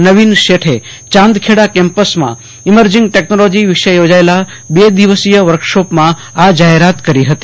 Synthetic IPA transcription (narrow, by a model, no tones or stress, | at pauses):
nəʋinʃeʈʰe | t͡ʃãnd̪kʰeɽakɛ̃mpəsmã̰ | iməɾd͡ʒɪŋɡʈeknolod͡ʒiʋiʃəjod͡ʒaela | bed̪iʋəsijəʋəɾkʃopmã | ad͡ʒaɦeɾat̪kəɾiɦət̪i̥